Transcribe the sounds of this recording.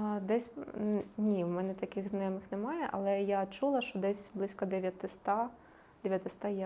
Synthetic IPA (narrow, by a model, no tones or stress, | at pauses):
d̪ɛsʲnʲiwmɛnɛt̪ɐkʲɪɣznɐjɔmɪxnɛmɑjɛʔɐ̰lˠɛjat͡ʃulˠɐʃt͡ʃɔd̪ɛsʲblˠɪsʲkɐd̪ɛʋʲjɐt̪ɪst̪ɑ | d̪̥ɛʋʲjɐt̪ɪst̪ɑjɛ